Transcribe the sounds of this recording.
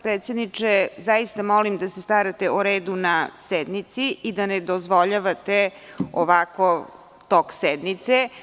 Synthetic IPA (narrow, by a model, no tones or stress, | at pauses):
pɾet̪sʲjed̪nit͡ʂezajist̪amolimd̪asest̪aːɾat̪euɾeːd̪unasɛd̪nit̪siid̪aned̪ozʋoʎaʋat̪e | oʋako | t̪oksɛd̪nit̪se